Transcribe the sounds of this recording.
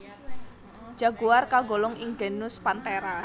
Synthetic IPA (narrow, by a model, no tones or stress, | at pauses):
d͡ʒ̥a̤ɡ̥uwarkaɡolɔŋiŋɡenʊspant̪eɾa